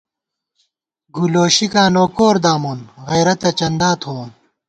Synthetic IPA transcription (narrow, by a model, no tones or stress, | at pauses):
ɡuloːɕikaːnoːkoːɾd̪aːmoːnɣɐːɾɐt̪ɐt͡ɕɐnd̪aːt̪ʰoːn